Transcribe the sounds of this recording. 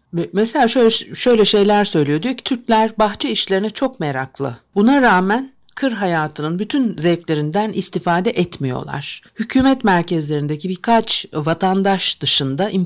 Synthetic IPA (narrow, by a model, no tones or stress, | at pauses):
ɛmɛselʲaːʃøʃø̞jlʲɛʃe̞jlʲæɾsø̞jlʲijod̪yjoci̥t̪ʰyɾclʲæɾbaxt͡ʃʰɛiʃlʲe̞ɾinɛt͡ʃʰo̞kmeɾaklˠɯ̰bunaɾaːmæn | kʰɯɾɦajaːt̪ʰɯnɯnbyt̪ʰynzɛjflʲe̞ɾind̪ænist̪ifaːd̪ɛʔɛt̪mijo̰lˠa̰ɾ̥hycʰyːmɛt̪mæɾcɛzlʲe̞ɾind̪ecibikʰat͡ʃvat̪ʰand̪aʃd̪̥ɯʃɯnd̪aʔim